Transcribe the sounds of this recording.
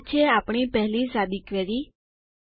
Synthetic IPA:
t͡ʃʰeapɳ̃ipɛɦlisad̪ikʋeɾi

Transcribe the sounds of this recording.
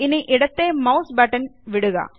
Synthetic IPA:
ɪnɛʔɪɽɐt̪ːeːmɐʊsbɐʈːɐnʋɪɽɯɣa̰ː

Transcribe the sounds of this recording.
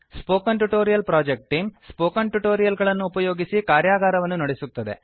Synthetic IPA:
spoːkɐɳʈuʈoːɾijɐlpɾaːd͡ʒek̚ʈʈːiːmspoːkɐɳʈuʈoːɾijɐlɡɐɭɐnːuːpɐjo̞ːɡisikaːɾjaːɡaːɾɐʋɐnːunɐɽesut̪ːɐd̪e̞̰

